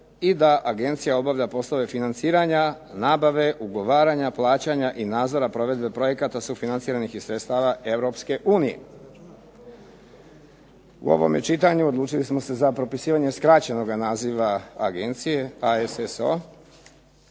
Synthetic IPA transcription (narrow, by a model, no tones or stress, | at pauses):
id̪aʔaɡe̞nt̪sijao̞baʋʎapo̞slˠo̞ʋe̞finant̪siːɾaɲa | naːbaʋe̞ʔuɡo̞ʋaːɾaɲaplˠaːt͡ɕaɲaʔinaːd̪zo̞ɾapɾo̞ʋe̞d̪be̞pɾo̞je̞kat̪asufinant̪siːɾanixisɾet̪st̪aːʋaʔe̞ʋɾo̞pske̞ʔuːnije̞̰ | ṵo̞̰ʋo̰mḛt͡ʃit̪aɲuo̞d̪luːt͡ʃilismo̞se̞zapɾo̞pisiːʋaɲe̞skɾat͡ɕe̞no̞ɡanaːziʋaaɡe̞nt̪sije̞aeseso̰